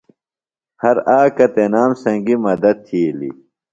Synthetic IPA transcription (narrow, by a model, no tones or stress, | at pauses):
hɐɾaːkɐt̪enaːmsɐ̃ŋɡimɐd̪ɐd̪̚t̪ʰilḭ